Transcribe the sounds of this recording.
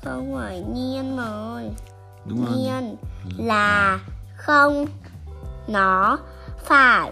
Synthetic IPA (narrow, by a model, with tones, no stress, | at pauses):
xə˧wŋ͡mvaː˧˩jɲi˧ənməː˨˩j | ɲi˧ənlaː˨˩xə˧wŋ͡m | nɔ˨˦ | faː˧˩